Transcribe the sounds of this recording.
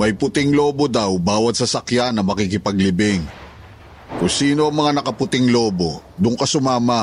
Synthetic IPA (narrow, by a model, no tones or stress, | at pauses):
mɐjpʊt̪ɪŋlo̞ːbo̞d̪ɐwbaːwɐt̪̚sɐsɐkjanːɐmɐkikɪpɐɡlɪbɪŋ | kʊŋsiːno̞ʔɐŋmɐŋanɐkɐpʊt̪ɪŋlo̞ːbo̞d̪ʊŋkɐsʊmaːmɐ